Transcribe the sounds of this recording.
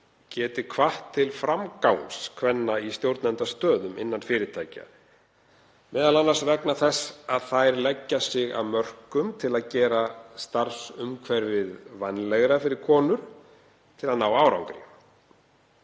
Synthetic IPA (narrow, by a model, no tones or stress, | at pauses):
cɛːt̪ɪkʰvaht̪ʰːɪlfɾamkawnskʰvɛnːaist̪jowɾt̪nɛnt̪ast̪œːðʏmɪ̰nːanfɪːɾɪt̪ʰaːjca̰ | mɛːðalanːaɾ̥svɛknaθɛsːaðθajɾlɛcːasɪɣa̰wmœr̥kʏmt̪ʰɪlaðcɛːɾast̪arsʏmkʰvɛɾvɪðvanːlɛɣɾafɪɾɪɾ̥kʰɔːnʏɾ̥ | t̪ʰɪlaðnaːwaaːwɾa̰wŋkɾɪ̰